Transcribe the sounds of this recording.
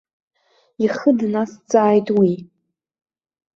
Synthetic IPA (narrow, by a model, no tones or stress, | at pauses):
iχədnast͡sʼaːjtʼwi